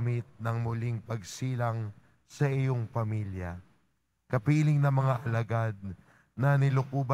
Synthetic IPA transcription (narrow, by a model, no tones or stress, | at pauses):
mɪt̪̚nɐŋmʊliŋpɐɡsiːlɐŋ | sɐʔɪjo̞ŋpɐmiljɐ | kɐpiːlɪŋnɐmɐŋaʔɐlɐɡad̪̚ | nɐnɪlʊkuːbɐ